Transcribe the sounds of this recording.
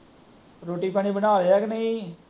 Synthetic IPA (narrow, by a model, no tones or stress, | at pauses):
ɾoːʈiːpaːñiːbənaːleːɛːknəĩː